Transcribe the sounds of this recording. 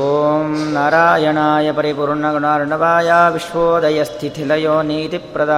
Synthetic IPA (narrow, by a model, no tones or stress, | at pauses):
oːmnaːɾaːjɐɳaːjɐpɐɾipuːɾɳɐɡuɳaːɾɳɐʋaːjaːʋiʃʋoːd̪ɐjɐst̪ʰit̪ʰilɐjoːniːt̪ipɾɐd̪aː